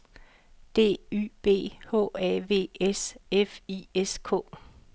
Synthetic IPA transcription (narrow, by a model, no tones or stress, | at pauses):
d̥e̝̰ːy̰ːb̥e̝̰ːhɔ̝̰ːæʋe̝̰ːesefieskʰɔ̰̽ː